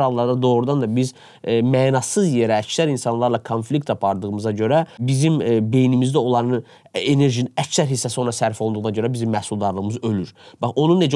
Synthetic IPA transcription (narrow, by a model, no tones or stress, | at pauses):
hɑlˠːɑɾd̪ɑd̪o̞ːɣɾud̪ɑnd̪ɑbiz | mæːnɑsɯzjeɾæːcsæɾinsɑnlˠɑɾlˠɑkʰonflʲikt̪ɑpʰɑɾd̪ɯɣɯmɯzɑɟø̞ɾæbizimbe̞jnimizd̪æo̞lˠɑɾnɯ | ene̞ɾʒiniæcsæɾɦisːæsio̞nɾɑsæɾfiolˠnd̪uɣnɑɟø̞ɾæbizimːæhsulˠd̪ɑɾlˠɯɣɯmɯzø̞lyɾb̥ɑχo̞nunːe̞d͡ʒæ